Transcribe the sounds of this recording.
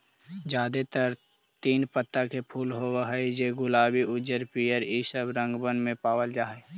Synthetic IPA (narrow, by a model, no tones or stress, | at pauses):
d͡ʒaːd̪et̪əɾ | t̪iːnpət̪ːakepʰuːlɦowɦəed͡ʒeɡʊlaːbiʔʊd͡ʒəɾpijəɾisəbɾə̃ŋɡbənmẽpaːwəld͡ʒaːɦɛ